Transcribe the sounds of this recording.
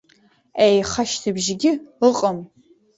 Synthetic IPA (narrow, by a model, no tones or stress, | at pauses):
ejχɐʃtʰɨbʒɪɡʲɪəqʼəm